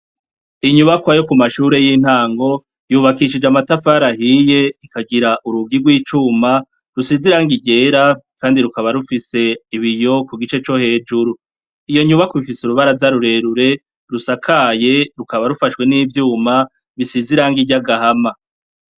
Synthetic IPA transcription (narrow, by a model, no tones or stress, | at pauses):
iɲuβakwajo̞kumaʃuːɾe̞jiːn̥haːŋɡo̞ | juːβakiʃ̬id͡ʒamatafaɾahije̞ikaɡiɾaʔuɾubɡiɡwiːt͡ʃuːma | ɾusiziɾaːŋɡiɟe̞ːɾakaːndiɾukaβaɾufise̞iβijo̞kuɡit͡ʃe̞t͡ʃo̞he̞ːd͡ʒuɾu | ijo̞ɲuβakoβifisuɾuβaɾazaɾuɾe̞ɾuɾe̞ | ɾusakʰaje̞ɾukaβaɾufaʃwe̞niːvjuːma | βisiziɾaŋɡiɟaɡahama